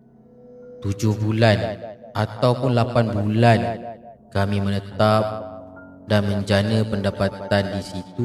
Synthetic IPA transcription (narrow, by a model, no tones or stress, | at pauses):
t̪ud͡ʒʊhbulanʔat̪awpʊnlapanbulankamĩmənət̪ap̚ | danmə̃ɲd͡ʒanə̃pəndapat̪̚andisit̪u